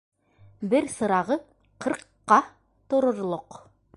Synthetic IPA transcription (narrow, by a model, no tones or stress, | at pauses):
bɘɾsɤ̆ɾɑʁɤ | qɤ̆ɾqːɑ | t̪ŏɾŏɾlˠoq